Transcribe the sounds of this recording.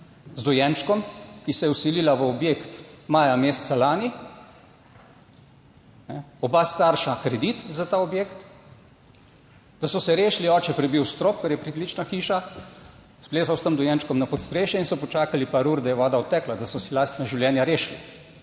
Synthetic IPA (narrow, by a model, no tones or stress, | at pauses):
zd̪ɔjɛnt͡ʃkɔmkisɛjɛusililaʋəobjekt̪maːjamest̪sɛlaːni | nɛɔbast̪aːɾʃakɾɛd̪it̪zat̪aobjeːkt̪ | d̪̥asɔsɛɾeːʃliɔːt͡ʃɛpɾɛbiwst̪ɾoːpkəɾjɛpɾid̪lit͡ʃnaxiːʃa | z̥pleːzawst̪əmd̪ɔjɛnt͡ʃkɔmnapɔt̪st̪ɾeːʃjɛinsɔpɔt͡ʃaːkalipaɾuɾd̪ajɛʋaːd̪aɔt̪ːɛːklad̪asɔsilaːst̪naʒiwljɛːnjaɾeːʃli